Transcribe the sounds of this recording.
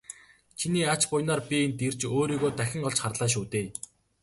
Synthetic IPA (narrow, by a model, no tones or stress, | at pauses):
t͡ɕʰiniːat͡ɕpʊjnɔːrpʲient̪ir̥t͡ɕoːɾiːɣoːt̪æxʲɪ̆ŋɔɮt͡ɕχarɮaːʃ̬uːt̪eː